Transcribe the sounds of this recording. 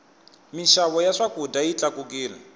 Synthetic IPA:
miʃaβɔjaʂakudajit͡ɬakuk̬iːla̰

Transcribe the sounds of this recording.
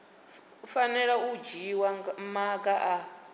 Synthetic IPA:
fanɛɺaud͡ʒiwamaɡʼaʔa

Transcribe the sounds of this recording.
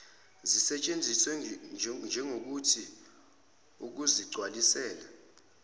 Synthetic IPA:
zisɛt͡ʃʼend͡zʱiswɛnd͡ʒʱɛŋok̬utʰi | uk̬uziɡ͡ǀʱwalisɛːla

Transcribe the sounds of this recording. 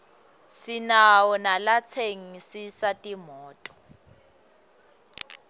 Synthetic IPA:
sinawɔnalat͡sʰeŋisisatʼimɔːtʼɔ̥

